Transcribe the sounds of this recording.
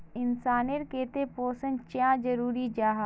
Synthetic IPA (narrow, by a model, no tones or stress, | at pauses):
ɪnsaːneɾkeːt̪epoːsənt͡ʃãːd͡ʒɐɾuːɾid͡ʒaːɦa